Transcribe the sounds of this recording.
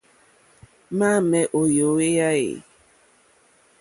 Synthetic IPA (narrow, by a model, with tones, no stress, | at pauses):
ma˦˨mɛ˨ʔo˨jo˨˦we˦ja˦ɣḛ˨